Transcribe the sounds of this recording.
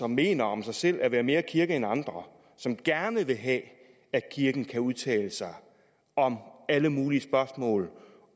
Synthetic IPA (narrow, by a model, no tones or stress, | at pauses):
ɒ̽mːe̝ːnɐɒ̽msɑ̈ɪsel̰ʔæʋæːɐme̝ːɐkʰiɐɡ̥əenɑ̈nd̥ʁɐ | sɒ̽mɡ̥æɐnəʋe̝ɦɛ | ækʰiɐɡ̥n̩kʰæuðˠt͡sʰɛ̰ːləsɑ̈ɪ | ɒ̽mæləmuːliəsb̥ɶɐsmɔ̰̽ːl